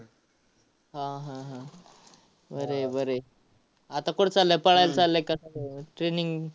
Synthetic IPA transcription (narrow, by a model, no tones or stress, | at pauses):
ɦãɦãɦã | bəɾebəɾe | at̪akoɽt͡salːəpəɭajlt͡salːekasʈɾeniŋɡ